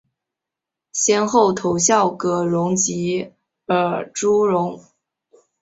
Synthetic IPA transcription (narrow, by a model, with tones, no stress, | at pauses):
ɕjɛ˥nxo˥˩ʊt̪ʰo˧˥ʊɕjɑ˥˩ʊkɤ˧˥ɻʊ˧˥ŋt͡ɕi˧˥ | ə˞˨˩ʈ͡ʂu˥ɻʊ˧˥ŋ